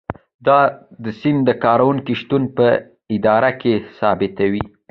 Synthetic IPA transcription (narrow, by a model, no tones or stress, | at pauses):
d̪ɑd̪əsimd̪əkɑɾawuŋkiʃt̪unpə | ɪd̪ɑɾakesɑbɪt̪awi